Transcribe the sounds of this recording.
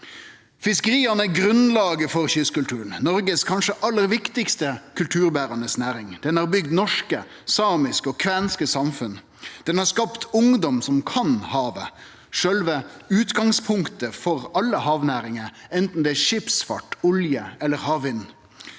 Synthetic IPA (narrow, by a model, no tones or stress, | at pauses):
fɪskəɾiːɑnəæɡɾʉnlɑːɡəfɔɾçʏskʉlt̪ʰʉːɾən̩nɔɾɡəskʰɑnʂəʔɑlːəɾʋɪkt̪ɪkst̪əkʰʉlt̪ʰʉːɾbæːɾɑnəsnæːɾɪŋd̪̥ɛnhɑːɾbʏɡd̪nɔʂkə | sɑːmɪskɔkʰʋæːnskəsɑmfʉn | d̪̥ɛnhɑskɑpt̪ʊŋd̪ɔmsɔmkʰɑnhɑːʋə | ʂœlʋəʉːt̪ɡɑŋspʰʊŋkt̪əfɔɾɑlːəhɑːʋnæːɾɪŋəɾɛnt̪n̩d̪ɛːæːʂɪpsfɑ̰ʈːʊljəɛlːəɾhɑːʋɪnː